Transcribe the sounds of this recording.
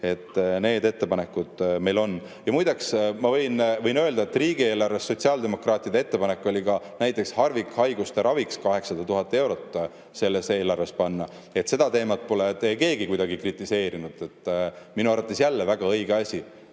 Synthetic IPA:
e̞t̪ːne̞ːd̪e̞t̪ːe̞pɑne̞kːˑud̪̥me̞jlo̞nː | jɑmujd̪eksmɑvɤ̞jnvɤjnø̞ːld̪ɑet̪ːˑriːɡ̥ie̞ːlɑrve̞sːo̞t̪ʲsiɑld̪e̞mo̞krɑːt̪ːˑid̪ee̞t̪ːe̞pɑnekːˑo̞lʲikɑnæjt̪ˑːe̞kshɑrvikhɑjɡ̥ust̪eɾɑvikskɑɦe̞ksɑd̪̥ɑt̪uɦɑt̪ːˑee̞wɾo̞t̪ːˑ | se̞lːese̞ːlɑrvespɑnːɑ | e̞t̪se̞d̪̥ɑt̪e̞ːmɑt̪̚po̞let̪ejke̞ːɡikujd̪ɑɡ̥ikrit̪ˑːise̞ːɾinud̪̥e̞t̪ˑːminuɑɾɑt̪ːˑesjælːevæɡ̥ɑɤjɡ̥eɑsʲi

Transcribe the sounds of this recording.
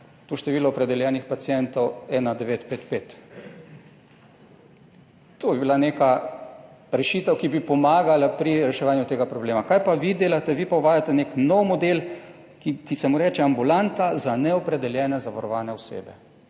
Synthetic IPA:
t̪oʃt̪ɛʋiːlɔɔpɾɛd̪ɛljɛːnixpat̪sijɛnt̪ɔwɛːnad̪ɛʋeːt̪peːt̪peːt̪ | t̪oːbibilaneːka | ɾɛʃiːt̪əwkibipɔmaːɡalapɾiɾɛʃɛʋaːnjʊt̪eːɡapɾɔbleːmakajpaʋid̪eːlat̪ɛʋipɔʋaːjat̪ɛneknɔwmɔd̪eːl | kikisɛmuɾɛːt͡ʃɛambulant̪azanɛɔpɾɛd̪ɛljɛːnɛzaʋaɾɔʋaːnɛɔsḛːbɛ

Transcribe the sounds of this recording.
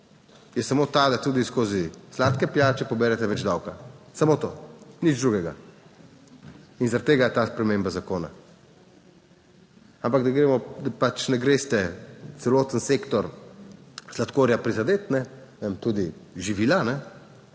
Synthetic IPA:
jɛsamoːt̪ad̪at̪uːd̪iskoːzislaːt̪kɛpjat͡ʃɛpɔbɛːɾɛt̪ɛʋɛd͡ʒd̪awkasamot̪o̰ːnid͡ʒd̪ɾuːɡɛɡa | inzaɾat̪ːeːɡajɛt̪aːspɾɛmembazakoːna̰ | ampaɡ̚d̪aɡɾeːmɔd̪apat͡ʃnɛɡɾeːst̪ɛt̪sɛloːt̪ənsekt̪ɔɾ | slat̪koːɾjapɾizad̪eːt̪nɛ | emt̪uːd̪iʒiʋiːlanɛ

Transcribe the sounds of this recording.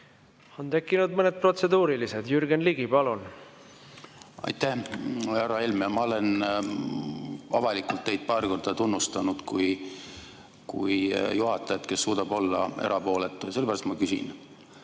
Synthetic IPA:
o̞nt̪e̞kːˑinud̪̚mɤned̪̚pro̞t̪se̞d̪uːɾilise̞d̪jyɾɡenliɡipɑlun | ɑ̰jt̪æhæɾɑelmɑmɑole̞n | ɑvɑlikːˑult̪ːe̞jd̪̥̚pɑːrko̞rd̪̥ɑt̪unːust̪ɑnud̪̥kuj | kṵjjuɦɑt̪ːˑɑjɑt̪ke̞sːuːd̪ɑb̥o̞lːɑ̰eɾʔɑpo̞ːlet̪ːˑujɑselbæːɾɑst̪mɑkysḭn

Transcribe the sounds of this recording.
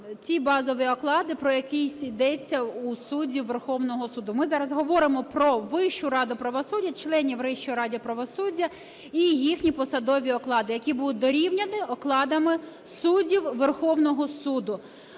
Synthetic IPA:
t͡sʲibɑzɔʋiɔklˠɑd̪ɪpɾɔjɐkɪjsʲid̪ɛt͡sʲːɐusudʲiwʋerxɔwnɔɦɔsud̪ʊmɪzɑɾɐzɦɔʋɔɾɪmɔpɾɔʋɪʃt͡ʃʊɾɑd̪ʊpɾɐʋɔsudʲːɐt͡ʃlˠɛnʲiwɾɪʃt͡ʃɔɾɑdʲiɔpɾɐʋɔsudʲːɐ | ijixnʲipɔsɐd̪ɔʋʲiɔklˠɑd̪ɪjɐkʲibud̪ʊt̚ʲd̪ɔɾʲiwnʲɐnɪɔklˠɑd̪ɐmɪ | sudʲiwʋerxɔwnɔɦɔsud̪ʊ

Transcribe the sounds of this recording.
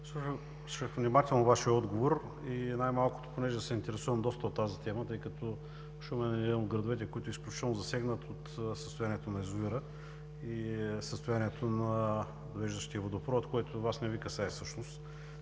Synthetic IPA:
slˠuʃə | sʃəxvnimat̪ɛlˠnovaʃiɛɔd̪ɡovoɾ | inajmalˠkʊ̥t̪o̥ponɛʒɛd̪ɐsɛint̪ɛɾɛsuvəmd̪ɔst̪ɐot̪ːazit̪ɛmət̪ɤjkɐt̪ʰɔ | oʃɛomɛnɛimod̪̚ɡɾɐd̪ovɛt̪̬ɛkoit̪oʊisklʲut͡ʃit̪ɛlˠnozɐsɛɡnət̪ʰot̪səst̪ʊjaniɛt̪onɐɛzuviɾə | isəst̪ojaniɛt̪ʰonɐ | d̪ovɛʒd̪əʃt̪iəvod̪opɾɔt̪koɛt̪ʊvasnɛvikəsaɛsɤʃnost̪

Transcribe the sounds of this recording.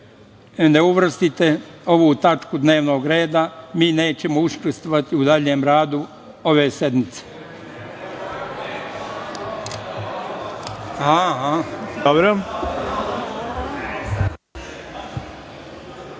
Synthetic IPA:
neuʋr̩st̪it̪eo̞ʋuːt̪at͡ʃkud̪ne̞ːʋno̞ːɡɾe̞ːd̪amiːne̞ːt͡ɕemouskust̪ʋoʋat̪iud̪aʎeːmɾaːd̪u | o̞ʋeːsed̪mit̪se̥ | haɦaobɾo

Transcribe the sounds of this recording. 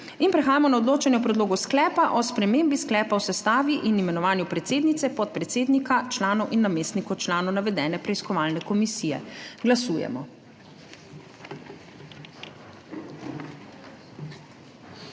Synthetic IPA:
inpɾɛxaːjamɔnaɔd̪loːt͡ʃanjɛwpɾɛd̪loːɡusklɛːpaʔɔspɾɛmeːmbisklɛːpawsɛst̪aːʋiʔinimɛnɔʋaːnjupɾɛt̪seːd̪nit̪sɛpɔt̪̚pɾɛt̪seːd̪nikat͡ʃlaːnɔwʔinːameːst̪nikɔt͡ʃlaːnɔwnaʋɛd̪ɛːnɛpɾɛiskɔʋaːlnɛkɔmisiːjɛ̰ɡlasuːjɛ̰mɔ̰

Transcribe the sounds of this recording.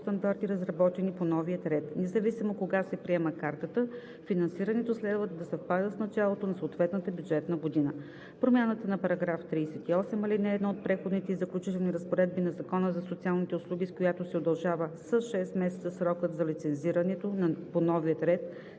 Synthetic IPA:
st̪ɐnd̪aɾt̪iɾɐzɾɐbɔt̪ɛniponɔviət̪ɾɛt̪nɛzɐvisimokoɡasɛpɾiɛməkaɾt̪ət̪ə | finɐnsiɾɐnɛt̪oslɛd̪vət̪d̪ɐsɛfpad̪əsnɐt͡ʃalˠot̪onɐsoːt̪vɛt̪nət̪əbʲjud͡ʒɛt̪nəɡod̪inə | pɾomʲjanət̪ənɐpɐɾɐɡɾaft̪ɾiːsɛt̪iɔsɛmɐlinɛːd̪naot̪̚pɾɛxod̪nit̪ɛizɐklʲut͡ʃit̪ɛlˠniɾəspoɾɛd̪̚binɐzɐkɔnəzɐsot̪sialˠnit̪ɛʊslˠuɡʲiskojat̪osɛod̪ɐlˠʒavəsəsʃɛst̪mɛsɛt̪səsɾɔkət̪zɐlit̪sɛnziɾənɛt̪onponɔvijət̪ɾɛt̪

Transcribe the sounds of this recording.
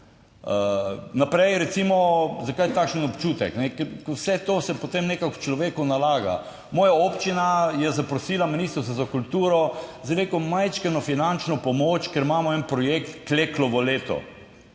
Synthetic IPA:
ənapɾɛjɾɛt̪simɔzakajt̪akʃənɔpt͡ʃuːt̪ɛ̰knɛkɛwsɛt̪oːsɛpot̪emnekakwt͡ʃlɔʋeːkunalaːɡa̰ | mɔːjaoːpt͡ʃinajɛzapɾɔsiːlaminist̪ɾəwst̪azakult̪uːɾɔzaneːkomajt͡ʃkɛnɔfinant͡ʃnɔpɔmoːt͡ʃkeɾmaːmɔɛnpɾɔjekt̪kleːklɔʋɔleːt̪ɔ̰

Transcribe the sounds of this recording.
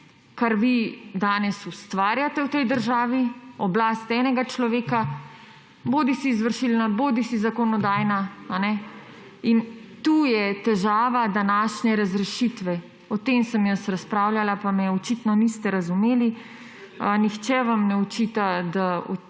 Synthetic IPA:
kaɾʋid̪aːnɛsust̪ʋaːɾjat̪ɛwt̪ɛjd̪əɾʒaːʋiɔblaːst̪ɛːnɛɡat͡ʃlɔʋeːka | boːd̪isiːzʋəɾʃilnaboːd̪isizakɔnɔd̪aːjnaanɛ | int̪ujɛt̪ɛʒaːʋad̪anaːʃnɛɾazɾɛʃit̪ʋɛ | ɔt̪emsəmjəsɾaspɾaːwljalapamɛɔt͡ʃit̪nɔnist̪ɛɾazumeːli | nixt͡ʃɛʋamnɛut͡ʃit̪ad̪aɔ̰

